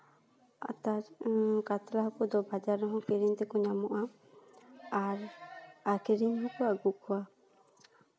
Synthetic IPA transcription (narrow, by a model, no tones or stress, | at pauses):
a̰t̪akat̪ɾaɦɔkɔd̪ɔbʱad͡ʒaɾɔɦɔ̃keɾiɲt̪ɛkɔɲamɔʔa | aɾakeɾiɲɦɔkɔaɡuʔkʰɔa